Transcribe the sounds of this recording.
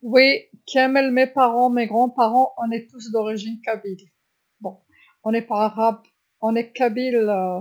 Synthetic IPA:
wikiɛmɛlmepaʁɑ̃meɡʁɑ̃paʁɑ̃ʔɔ̃nɛt̪us̬d̪ɔʁiʒinkabil | bɔ̃ | ɔ̃nɛpaʁaʁab | ɔ̃nɛkabil

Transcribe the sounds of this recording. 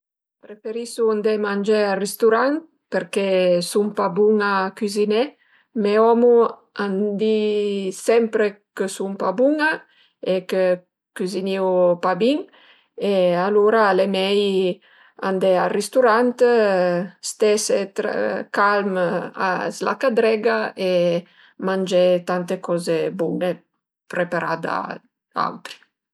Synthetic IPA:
pɾefeɾisuand̪emand͡ʒearest̪uɾant̪ | peɾkesumpabuŋakyzine | meɔmuand̪isɛmpɾekəsumpabuŋa | ekə | kyziniwpabiŋ | ealuɾalemɛj | and̪ɛarist̪uɾant̪ | st̪ɛset̪ɾa̰kalma̰zla̰kad̪ɾɛɡae | mand͡ʒɛt̪ant̪ekɔzebune | pɾepaɾa̰d̪a̰ | a̰wt̪ɾi̥

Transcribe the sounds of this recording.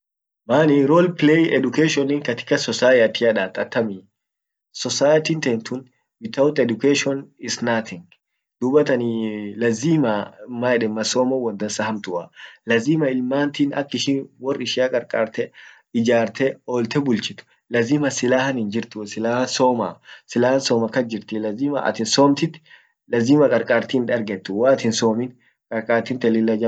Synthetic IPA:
maːnɪɾoːlpɪleːjɛd̪ʊkeːʃɔnɪŋkɐt̪ɪ̥kːɐsɔsaːjɐt̪ɪɐᶑaːt̪ʼːɐt̪ːɐmi | sɔsaːjɐt̪iːnt̪ɛnt̪ʊn | bɪt̪ɐwʊt̪ɛd̪ʊkeːʃɔnɪsnaːt̪ʰɪŋɡ | d̪̥ubɐt̪ɐnilɐziːmamaːɛᶑɛmːɐsoːmɐwɐnd̪ɐsːɐhɐmt̪ʊɐ̰lɐziːmɐɪlmaːnt̪inɐ̰kːɪʃiːnwɔrːɪʃɪjaːkʼɐɾkʼaːɾt̪ɛ | ɪd͡ʒaːɾt̪ɛoːlt̪ɛbʊlt͡ʃɪt̪ʊ̥ | lɐziːmɐsɪlaːhɐnɪnd͡ʒɪɾt̪ʊsɪlaːhɐsoːmasɪlaːhɐnsoːmɐkːɐd͡ʒɪɾt̪ɪlɐziːmɐʔɐ̰t̪ɪnsoːmt̪ɪt̪ | lɐziːmɐkʼɐɾkʼaːɾt̪iːnᶑɐɾɡɛt̪ːʊwat̪ɪnsoːmɪn | kʼɐɾkʼaːɾt̪iːnt̪ɛlɪlːɐd͡ʒɐ

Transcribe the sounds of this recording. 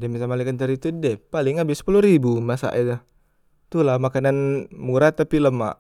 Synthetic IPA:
dɛmbisamalikant̪əɾit̪udɛpalɪŋabɪsə̥puluɾibumasa̰ʔɛ | t̪ulahmakananmuɾat̪ːapiləma̰ʔ

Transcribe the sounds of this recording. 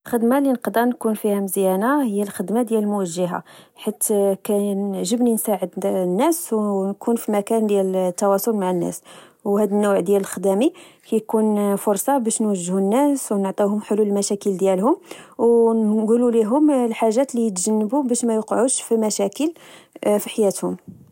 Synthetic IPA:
lxəd̪malinəqd̪ɑnkunfihæmzjænahəjːælxəd̪mad̪jælmʊwəʒːəɦa̰ħit̪ːkænəʕʒəbninsaʕəd̪nːæswnkunfimækænd̪jælt̪ːɑwɑsˤolmaʕanːæ̰swhæd̪ənːʊwʕd̪jæləlxd̪æmikæjkunfʊɾˤsˤɑbæʃnwəʒːhunːæswnəʕt̪ˤihʊmħoluləlmæʃækəld̪jælhʊmwnɡululiɦʊmlħaʒːæt̪lijət̪ʒənːəbubæʃmæjoqʕuʃfimæʃækəlfiħajæt̪hʊm

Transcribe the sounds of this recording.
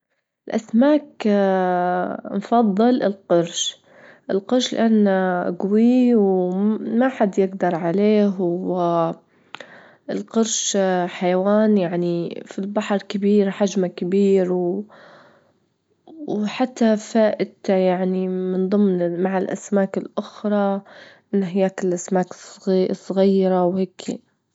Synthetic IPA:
ʔʔɪlʔasmaːk | mfɑðˤːɨlɪ̰lqʊɾʃ | ʔɪlqʊɾʃlɪ̰ʔanːaʔɡwiːwmaħad̪jɪɡd̪ɑɾˤʕaleːɦɪ | ɪlqʊɾʃħajawaːnjaʕnifilbaħɾˤkɪbiːɾħaʒmakɪbiːɾw | wħat̪ːafaːʔɪd̪ajaʕnimɪnðˤɨmːnmaʕalʔa̰smaːkɪlʔʊxɾˤɑʔɪnːɦɪjːaːkɪlʔasmaːkssˤːɣijːɾawheːkʰḭ

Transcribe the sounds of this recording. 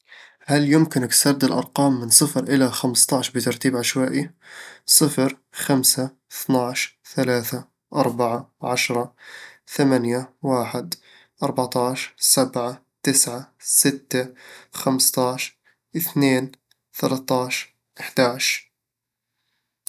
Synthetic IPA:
haljʊmkɪnɪksɑɾˤd̪ɪlʔɑ̰ɾˤqɑːmːɪnsˤɨfɾʔɪlaxamst̪ˤɑʕʃbɪt̪ɑɾˤt̪iːbʕaʃwaːʔisˤɨfɾ | xamsa | ɪθnaʕʃθalaːθa | ʔɑɾˤbaʕaʕaʃɾˤɑθamanjawaːħɪd̪ | ʔɑɾˤbaʕt̪ɑːʃsabʕa | t̪ɪsʕasɪt̪ːaxamst̪ɑːʃ | ʔɪθneːn | θalat̪ɑːʃ | ʔɪħd̪̥aːʕʃ

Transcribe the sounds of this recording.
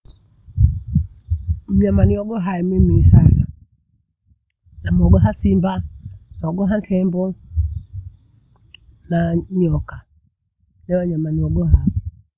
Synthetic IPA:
m̩ɲamaniɔɡɔɦaimemisasa | namɔɡɔɦasimbanɔɡɔɦantʰɛmbɔ | naɲɔka | nɛwaɲamaniɔɡɔhai

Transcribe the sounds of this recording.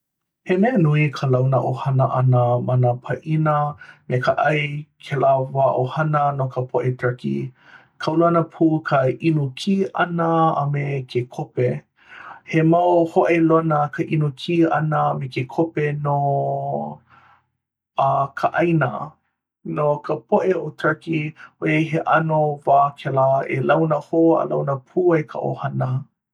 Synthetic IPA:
hemenuikʰəlɐwnəʔohɐnəʔɐnəmɐnəpʰɐʔinəmekəʔɐjkʰelaːvaʔohɐnənokəpʰoʔetɾɐkḭ | kʰawluanəpʰukʰəʔinukʰiʔɐnəɐ̰mekʰekʰope | hemaʔohoʔelonəkʰəʔinukʰiːɐnəmekekʰopeno | akʰəʔɐjnə | nokʰəpʰoʔeotʰakioeɦeʔɐnovaːkʰɛlaḛlɐwnəhoə̰lawnəpʰuːekʰə̰ʔo̰hɐnə

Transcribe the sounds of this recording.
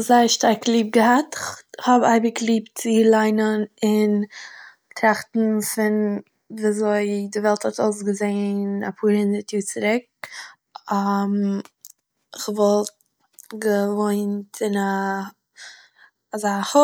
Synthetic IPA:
zaɪʃtaɾklˠiːb̚ɡəɦatɪχhɔbaɪbɪklˠiːpt͡sɪlˠaɪnənɪn | tɾaχtn̩fɪn | viːazoɪdɪvɛlˠthɔtoʊs̬ɡəzeɪna̰pʰuːɾhɪndəɾtʰjuːt͡sɪɾɪk̚ | am | ɪχvɔlˠt̚ | ɡəvoɪntʰɪna | zaχə

